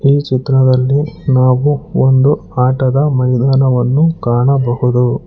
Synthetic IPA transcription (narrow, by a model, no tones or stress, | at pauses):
iːt͡ʃit̪ɾɐd̪ɐlːinaːʋuond̪uaːʈɐd̪ɐmɐɾid̪aːnɐʋɐnːukaːɳɐbɐɦud̪u